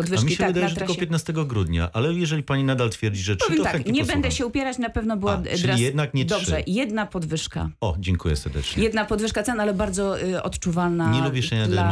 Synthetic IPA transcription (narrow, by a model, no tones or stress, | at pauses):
ɔd̪vɘaʂmʲiɕɛvvd̪ajɛaʐɛt̪kɔpʲjɛt̪nast̪ɛɡɔɡɾud̪ɲa̰ʔalɛjɛʐɛlʲipaɲinad̪alt̪fʲjɛɾd͡ʑiʐɛʂɔvjɛɔaɛɲɛbɛnd̪ɛɕɛupʲjɛɾat͡ɕnapɛvnɔbɘwaɘɾlijɛd̪̚nakɲɛd̪ɔbʐɛjɛd̪napɔd̪vɘʂka̰ɔd͡ʑɛŋkujɛ̰sɛɾd̪ɛ̰t͡ʂɲɛjɛd̪napɔd̪vɘʂkat̪sɛnalɛbaɾd̪zɔʔɔ̰t̪t͡ʂuvalnaɲɛlubʲjɛʂɛɲad̪ɛa